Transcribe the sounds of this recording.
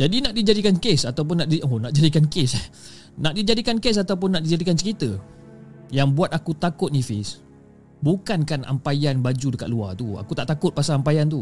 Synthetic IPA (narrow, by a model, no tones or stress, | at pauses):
d͡ʒadinaʔdid͡ʒadikankesat̪awp̬ʊnːaʔdionaʔd͡ʒadikankes | naʔdid͡ʒadikankes̬at̪awp̬ʊnːaʔdid͡ʒadikansəkit̪ə | jaŋbuat̪akut̪akʊt̪̚nifɪs | bukankana̰mpajanbad͡ʒudəkat̪̚luat̪ua̰kut̪aʔt̪akʊt̪̚pasaːmpajant̪u